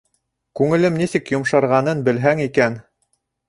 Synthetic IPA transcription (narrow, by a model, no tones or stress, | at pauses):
kʉŋɘ̆lɘmnisɘkjŏmʃɑɾʁɑnɤnbɘ̆lɦæŋikæn